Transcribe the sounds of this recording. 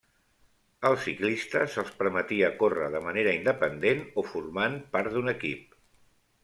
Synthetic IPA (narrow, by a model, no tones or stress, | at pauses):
əlˠsiklist̪əsəlˠspəɾmət̪iəkorəðəməneɾəind̪əpənd̪enofurmanpaɾt̪d̪unəkip̚